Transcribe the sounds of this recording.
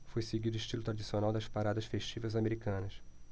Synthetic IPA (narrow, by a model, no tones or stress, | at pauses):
fojseɡid̪ʊiʃt͡ʃilʊt̪ɾad͡ʒisionawd̪ɐʃpaɾad̪ɐʃfeʃt͡ʃivɐjzameɾikɐ̃nɐs